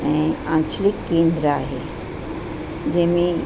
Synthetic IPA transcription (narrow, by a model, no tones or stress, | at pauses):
ẽĩãːnt͡ʃlikːẽːnd̪ɾaɦḛ | d͡ʒemĩ